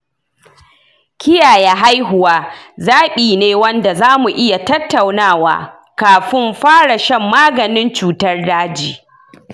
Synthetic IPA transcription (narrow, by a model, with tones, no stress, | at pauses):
kʲɪ˦jaː˨ja˦ɦa˦jɦʊ˨waː˦zaː˦ɓiː˨neː˦wɐ˦nda˨zaː˦mu˨ʔɪ˦ja˨tɐ˦tːa˨wnaː˦˨wa̰ː˨ | kaː˨ɸɪ˦mɸaː˦ɽa˨ʃɐ˦mːaː˦ɡɐ˨nɪ˦nt͡ʃuː˨tɐ˦rdaː˦d͡ʒiː˨